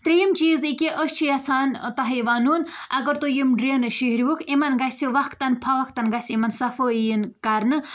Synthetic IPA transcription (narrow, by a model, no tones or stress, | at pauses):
t̪ɾijimt͡ʃiːzikiʔəst͡ʃʰijasʰaːnt̪ɐɦiʋaːnunɐɡɐɾt̪ojimɖɾeːnɨʃihɾiʋukʰimɐnɡɐsiʋɐkʰt̪ɐnpʰɐʋɐkʰt̪ɐnɡɐsʲimɐnsɐfoijinkɐɾnɨ